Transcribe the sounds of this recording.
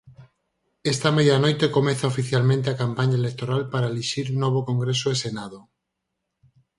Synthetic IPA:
est̪amejanojt̪ekomeθaofiθjalmẽnt̪̬eakampaɲaelek̚t̪oɾalpaɾaeliʃiɾunɔβ̞okoŋɡɾesoesenaðo

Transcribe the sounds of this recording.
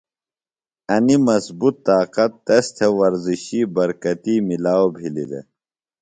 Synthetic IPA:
ɐnimɐsbut̪ːaːqɐt̪ːɐst̪ʰewɐɾziɕiːbɐɾkɐt̪iːmilaːwobʱilḭd̪ḛ

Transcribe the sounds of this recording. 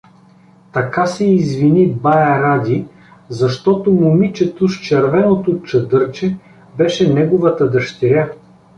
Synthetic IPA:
t̪ɐkasɛizvinibajɐɾad̪ʲi | zɐʃt̪ɔt̪omʊmit͡ʃɛt̪oʃt͡ʃɛɾvɛnot̪ot͡ʃɐd̪ɤɾt͡ʃɛ | bɛʃɛnɛɡʊvɐt̪əd̪ɐʃt̪ɛɾʲa

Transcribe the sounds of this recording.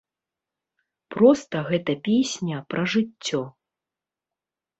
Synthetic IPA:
pɾɔst̪ɐɣɛt̪ɐpʲesʲnʲɐpɾɐʐɨt͡sʲːɔ

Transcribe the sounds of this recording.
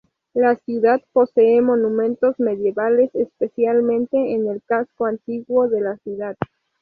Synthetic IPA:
lasjuðaðpo̞seːmo̞nũmẽ̞nt̪o̞zme̞ðje̞βale̞sespesjalmẽ̞nt̪eːnelkaskoant̪iɣwo̞ðe̞lasjuðað

